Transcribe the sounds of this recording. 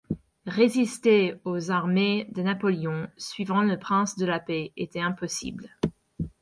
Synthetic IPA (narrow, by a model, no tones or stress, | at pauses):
ʁezist̪eozaʁmed̪ənapɔleɔ̃sɥivɑ̃ləpχɛ̃sd̪əlapeet̪ɛɛ̃pɔsḭbl